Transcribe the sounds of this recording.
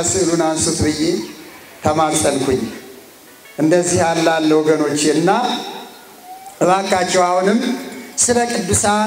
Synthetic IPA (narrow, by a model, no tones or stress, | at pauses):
sɨɨlunansut̪bɨje̞ | t̪ʰəmasʼəlkʰʷuɲː | ʔɨnd̪əzːihalːalːəwɔɡəno̞t͡ʃːɪnːa | ɾakʼːat͡ʃːɛwahunɨmːsɨləkʼɨd̪ːusa